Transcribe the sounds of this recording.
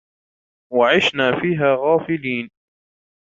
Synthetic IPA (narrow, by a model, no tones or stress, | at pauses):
waʕɪʃnaːfiːɦaːɣaːfɪliːn